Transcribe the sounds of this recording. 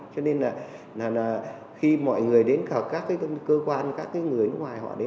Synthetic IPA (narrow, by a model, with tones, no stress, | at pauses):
t͡ɕɔ˧ne˧nlaː˨˩ | laː˨˩laː˨˩ | xi˧mɔ̰˧˨jŋɨ˨˩əjɗe˨˦nkə˨˩kaː˦˥kːaː˨˦˧kəː˧kwaː˧nkaː˦˥kːaː˨˦jŋɨ˨˩əjnɨ˦˥k̚ŋwaː˨˩jhɔ̰˧˨ɗe˨˦